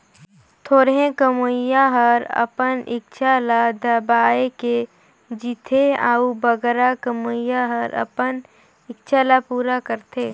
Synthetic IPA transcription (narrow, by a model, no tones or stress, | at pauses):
t̪ʰoːɾɦẽkəmujaɦəɾə̰pənʔɪ̰k̚t͡ʃʰalad̪əbaːeke | d͡ʒit̪ʰeaːubəɡɾakəmʊjaɦəɾʔə̰pən | ɪkt͡ʃʰalapuːɾakəɾt̪eː